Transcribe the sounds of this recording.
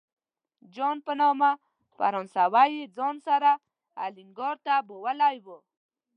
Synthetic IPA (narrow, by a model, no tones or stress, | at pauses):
d͡ʒonpənoma | pa̰ɾonsawajid͡zonsaɾa | a̰liŋɡɔɾt̪abowalajwə